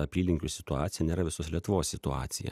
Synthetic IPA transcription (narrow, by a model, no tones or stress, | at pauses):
ɐpʲiːlʲɪŋʲkʲusʲɪt̪ʊɑːt̪ʲɪjɛnʲeːɾɐʋʲɪsoːslʲiɛt̪ʊʋoːssʲɪt̪ʊɑ̰ːt̪sʲɪjɛ̰